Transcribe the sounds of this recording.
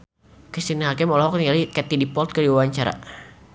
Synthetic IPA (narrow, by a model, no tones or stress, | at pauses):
kisiniɦakɪmɔlɔɦɔk̚nialikɛt̪idipɔlt̪̚kədiwawaɲt͡ʃaɾa̰